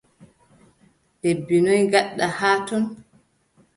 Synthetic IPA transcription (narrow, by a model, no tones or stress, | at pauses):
d̥ebːinɔjɡaɗːahaːtɔn